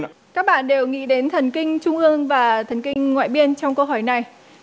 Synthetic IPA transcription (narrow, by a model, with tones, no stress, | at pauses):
kaː˦˥k̚ɓa̰ː˧˨nɗe˨˩wŋḭ˧˥ɗe˨˦nt̪ʰə˨˩nkï˧ŋ̟t͡ɕʊ˧ŋ͡mʔɨ˧əŋvaː˨˩t̪ʰə˨˩nkï˧ŋ̟ŋwa̰ː˧˨jɓi˧ənt͡ɕɔ˧wŋ͡mkə˧wɦɔ˧˩jna˨˩j